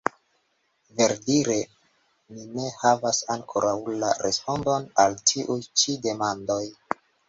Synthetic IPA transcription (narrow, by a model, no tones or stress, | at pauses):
ve̞ɾdiɾe | mine̞havasaŋkʰo̞ɾawlaɾespo̞ndonaltʰiʔujt͡ʃide̞mando̞j